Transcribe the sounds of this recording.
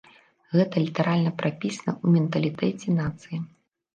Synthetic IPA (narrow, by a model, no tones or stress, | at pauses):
ɣɛt̪ɐlʲit̪ɐɾalʲnɐpɾʔapʲisɐnɐ̰ʔumʲɛnt̪ɐlʲit̪ɛt͡sʲɛnat̪sɨji